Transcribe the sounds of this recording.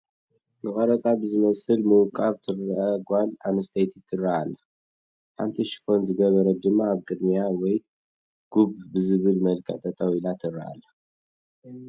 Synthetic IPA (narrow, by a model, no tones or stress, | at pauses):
mɨkʼɐɾɐt͡sʼabɨzɨmɐsɨlmɨwkʼːaβt̪ʰɨraʔɐɡʷalanɐst̪ʰɐjt̪ʰit̪ʰːɨrːaʔalːɐ | ħa̰nt̪ʰiʃɪ̥fo̞nzɨɡɐβɐɾɐd̪ɨmːaːβkʼɨd̪mijawɔj | ɡ̥ubbɨzɨβɨlmɐlkʰʼɐ̰ʕt̪ʼɐt̪ʼɐwilat̪ʰɨra̰ʔa̰lːɐ